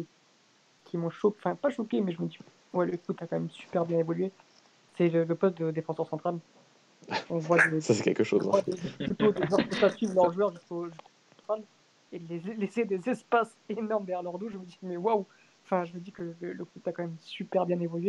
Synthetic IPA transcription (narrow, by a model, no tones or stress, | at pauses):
ki | kʲʰimɔ̃ʃɔfɛ̃paʃɔkʲemɛʒəməd̪i | wɛləkut̪akɑ̃mɛmsy̥pɛʁbjɛ̃evɔlɥe | sɛlələpɔst̪̚d̪əd̪efɑ̃sœʁsɑ̃t̪χal | ɔ̃vwad̪esasɛkʲɛ̰lkəʃo̰z̰vwad̪eplyt̪od̪eʒɑ̃kəsasɥivlœʁʒwœʁʒyskoʒysko̥sɑ̃t̪χal | elelesed̪ezɛspas | enɔʁmd̪ɛjɛʁlœʁd̪oʒəməd̪imɛwaw | ɑ̃fɛ̃ʒəməd̪ikələləkut̪akɑ̃mɛmsypɛʁbjɛ̃nevɔlɥe